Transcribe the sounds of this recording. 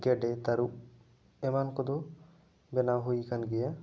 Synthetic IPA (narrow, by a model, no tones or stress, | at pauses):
ɡeɖet̪aɾu | emankɔd̪o | benaɦojkanɡɛja